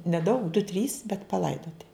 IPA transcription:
nʲɛˈdɐʊk dʊ tʲrʲiːs bʲɛt pɐˈlˠɐɪdoːtʲɪ

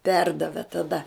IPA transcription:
ˈpʲɛrdɐʋʲeː tɐˈdɐ

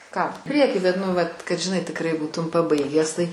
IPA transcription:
ˈkɑː ˈpʲrʲiɛkʲiː bʲɛt ˈnʊ ˈʋɐt kɐt ʒʲɪˈnɐɪ tʲɪkˈrɐɪ ˈbuːtʊm pɐˈbɐɪɡʲæːs tɐɪ

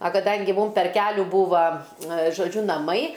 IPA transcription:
ɐ kɐˈdɐŋʲɡʲɪ ˈmuːm pʲɛr ˈkʲæːlʲuː ˈbuːʋɐ ʒoːˈd͡ʒʲʊ nɐˈmɐɪ

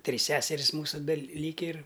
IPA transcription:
ˈtʲrʲiːs ˈsʲæːsʲɛrʲɪs ˈmuːsʊ bʲɛˈlʲiːkʲɪ ɪr

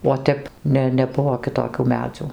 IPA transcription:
oː ˈtʲɛp ˈnʲɛ nʲɛˈbʊʋoː kʲɪˈtoːkʲuː ˈmʲæːd͡zʲuː

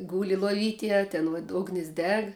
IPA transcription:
ˈɡuːlʲɪ lˠoːˈʋʲiːtʲeːj ɐ ˈtʲɛn ʋoːt ˈʊɡnʲɪs ˈdʲɛk

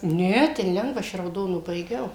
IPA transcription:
ˈnʲɛ ˈtʲɛn ˈlʲɛŋɡʋɐ ˈɐʃ ɪ rɐʊˈdoːnʊ bɐɪˈɡʲɛʊ

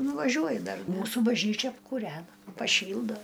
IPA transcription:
nʊʋɐˈʒʲuɔjʊ ˈdɐr ˈmuːsuː bɐʒʲˈnʲiːt͡ʃʲɛ ɐpkuːˈrʲæːnɐ pɐˈʃʲiːlˠdoː

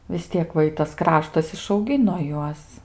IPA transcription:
ʋʲɪs ˈtʲiɛk ʋɐ ˈɪtɐs ˈkrɑːʃtɐs ɪʃɐʊˈɡʲɪnoː ˈjuɔs

